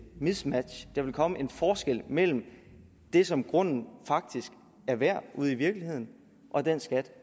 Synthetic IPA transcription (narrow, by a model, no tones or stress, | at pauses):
mismæd̥ɕd̥ɑ̈ʋe̝lkʰɒ̽məʔe̝nfɒːsɡ̥el̰mel̰m̩ | d̥e̝sɒ̽mɡ̥ʁɔ̽n̰n̩fɑ̈ɡ̥̚d̥isɡ̥ | æɐʋæɐ̰ʔuð̞̰ˠiʋiɐɡ̥lihe̝ð̞̰ˠn̩ | ʔɒ̽d̥ensɡ̥æd̥